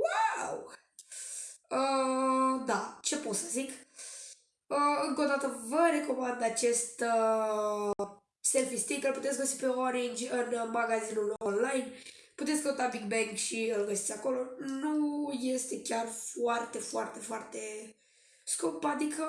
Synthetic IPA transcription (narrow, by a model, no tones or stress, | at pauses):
waw | ə | d̪at͡ʃe̞pot̪səzik | əɨŋkod̪at̪əvəɾe̞ko̞mand̪at͡ʃe̞st̪ | se̞lfist̪ikəlput̪esʲɡəsipe̞oɾind͡ʒʲɨnmaɡazinulo̞nlajn | put̪esʲkəut̪abiɡ̚beŋkʃiɨlɡəsit̪sʲako̞lo̞nuje̞st̪e̞kʲarfuart̪e̞foart̪e̞foart̪e̞ | skumpad̪ikʰə